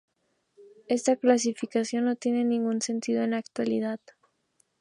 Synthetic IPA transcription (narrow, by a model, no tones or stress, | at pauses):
e̞st̪aklas̬ifikasjo̞nːo̞t̪jene̞nĩŋɡunse̞nt̪ið̞o̞e̞nakt̪walḭðað